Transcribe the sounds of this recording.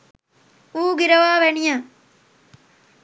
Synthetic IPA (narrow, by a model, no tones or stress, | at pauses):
uːɡiɾɐʋaːʋeɳijɐ